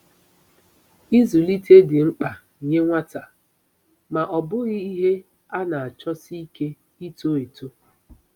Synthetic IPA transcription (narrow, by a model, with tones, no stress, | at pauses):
i˦zu˨li˦te˦dɪ˨ŋ͡m̩˦k͡pa˨ | i˨ɲe˦ŋʷa˦ta˨ | ma˨ʔɔ˨bʊ˦ɣi˦ɦe˦ | a˦na˨a˨t͡ʃɔ˦si˦i˦ke˦ | i˦to˦e˨to˦